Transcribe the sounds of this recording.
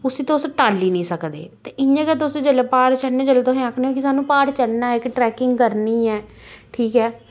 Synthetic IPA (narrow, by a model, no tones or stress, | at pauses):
ʊsiːt̪ãʊsʈaːlːiːnĩːsəkd̪ḛːt̪eʔɪãːkɛːt̪̬ʊseːd͡ʒəlːepaːɾt͡ʃəlnẽːd͡ʒəlːeːt̪ʊsẽːaːkʰneɦõːkisaːnːũːpaːɾt͡ʃəlnaːɪkʈɾɛːkɪŋɡkəɾniːɛː | ʈʰiːkɛː